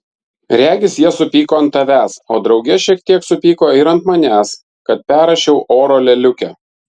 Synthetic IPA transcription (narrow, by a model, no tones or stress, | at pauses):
ɾʲæːɡʲɪsjiɛsʊpʲiːkoːɐnt̪ːɐʋʲæːsoːd̪ɾɒʊɡʲɛʃʲiɛk̚t̪ʲiɛksʊpʲiːkoːɪɾɐnt̪mɐnʲæːs | kɐt̪̚pʲæːɾɐʃʲɛʊʔoːɾoːlʲɛlʲʊkʲɛ